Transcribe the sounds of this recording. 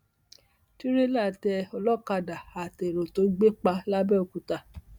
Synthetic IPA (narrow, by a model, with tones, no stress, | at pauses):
ti˦ɾe˦la˦˨tɛ˧ɔ˧lɔ˦˨ka˧da˨a˨te˨ɾo˨to˨˦ɡ͡be˦k͡pa˧la˦bɛ˦o˧ku˧ta˧˨